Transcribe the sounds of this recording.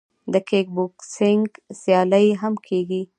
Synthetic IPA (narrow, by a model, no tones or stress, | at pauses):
d̪əkek̚buksɪŋɡsjɑləjɦamkʰeɡi